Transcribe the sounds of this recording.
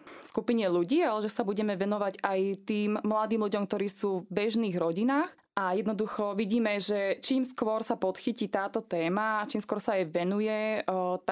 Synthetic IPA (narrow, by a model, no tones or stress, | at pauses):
fskupiɲɛluɟiːalɛʒɛsabuɟɛmɛʋɛnɔʋaɟajt̪iːmːlad̪iːmluɟɔmk̚t̪ɔɾiːsuːvbɛʒniːɣɾɔɟinaːx | ʔajɛd̪nɔd̪uxɔʋiɟiːmɛʒɛt͡ʃiːmskʊʋɔɾsapɔt̪xicit̪aːt̪ɔt̪ɛːmaːt͡ʃiːmskʊɔɾsaajʋɛnujɛt̪